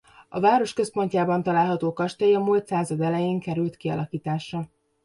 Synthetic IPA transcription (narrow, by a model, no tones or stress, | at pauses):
ɒvaːɾo̞ʃkø̞spo̞ɲcaːbɒnt̪ɒlaːlɦɒt̪oːkɒʃt̪ɛjiɒmult̪saːzɒd̪ɛlɛjeːŋkɛɾylt̪kiɒ̰lɒkiːt̪aːʃɒ